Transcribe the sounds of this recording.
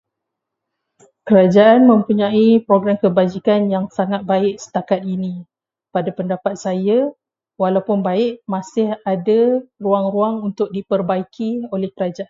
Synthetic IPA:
kəɾad͡ʒaanmə̃mpuɲãipɾoɡɾamkəbad͡ʒikanjaŋsaŋat̪̚baɪk̚sə̥t̪akat̪̚inĩ | padapəndapat̪̚saja | walawpʊnbaɪʔmãsɪhadaruaŋɾuaŋunt̪ʊk̚dipərbaikʰiolɛhkəɾad͡ʒaʔan

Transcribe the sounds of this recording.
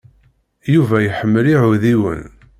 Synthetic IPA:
juvæjħəmːəliʕʊðiwə̰n

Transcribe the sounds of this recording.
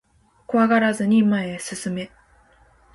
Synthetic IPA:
koβaɡaɾazɨɲ̟imaesɨsɨme̞

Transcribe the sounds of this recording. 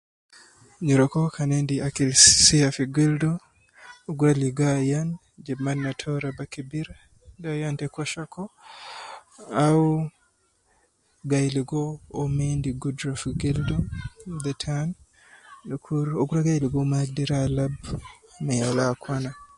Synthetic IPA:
ɲɔɾɔkɔkʰanendiakilsiafiɡildo | oɡuɾaliɡajan | d͡ʒɛmanːatʰɔɾabakibiɾ | dajantɛkɔʃakʰɔ | au | ɡajliɡoːmendiɡudɾafiɡildɔd̪ətʰan | kʰuɾoɡuɾaɡajliɡomaɡdiɾalabmajalakʰwana

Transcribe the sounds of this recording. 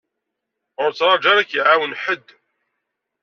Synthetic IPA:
ʊɾt͡sːɾˤɑd͡ʒɑɾˤækjəʕawənħəd̪ː

